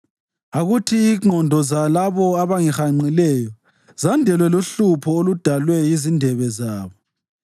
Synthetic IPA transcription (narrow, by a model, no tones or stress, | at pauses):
aɣutʰiːŋ͡ǃʱɔndʱɔzalaβɔaβaŋixaŋ͡ǀilɛːjɔ | zandʱɛlwɛloɬupʰɔolud̥ʱalwɛjizindʱɛβɛzaːβɔ